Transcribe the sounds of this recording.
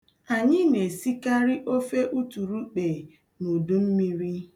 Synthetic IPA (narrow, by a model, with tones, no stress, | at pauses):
a˨ɲɪ˦ne˨si˦ka˦ɾi˦ʔo˦fe˦ʔu˦tu˨ɾu˦k͡pe˨ | no˨du˦m̩˦mi˦ɾi˦